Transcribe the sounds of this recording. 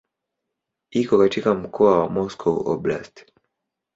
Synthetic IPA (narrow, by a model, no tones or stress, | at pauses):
ikɔkatikam̩kʰɔawamɔskʰɔɔ̰bla̰st